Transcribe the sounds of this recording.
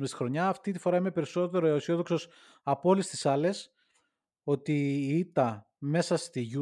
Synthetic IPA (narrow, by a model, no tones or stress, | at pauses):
mest̪i̥xɾo̞ɲɐːft̪it̪i̥fo̞ɾɐime̞pe̞ɾiso̞t̪e̞ɾoeosio̞ðo̞kso̞s | ɐpolist̪i̥sɐle̞s | o̞t̪iit̪ɐ | me̞sɐst̪iʝu